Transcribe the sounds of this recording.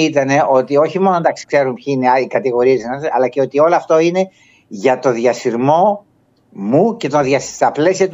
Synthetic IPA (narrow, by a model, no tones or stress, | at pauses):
it̪ɐne̞ʔo̞t̪io̞çimo̞nond̪ɐksi̥kse̞ɾumpçiineikɐt̪iɣo̞ɾiɐt̪iznɐɐlɐce̞o̞t̪io̞loɐft̪o̞ine̞ | ʝɐt̪o̞ðʝɐstiɾmo̞ | muce̞t̪o̞ðjɐsst̪ɐple̞siɐt̪